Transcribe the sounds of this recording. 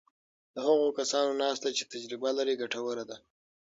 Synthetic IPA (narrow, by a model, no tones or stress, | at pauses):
d̪əhaɣokasɑnonɑst̪at͡ʃe̥t̪ad͡ʒɾɪbalaɾeɡaʈawəɾad̪a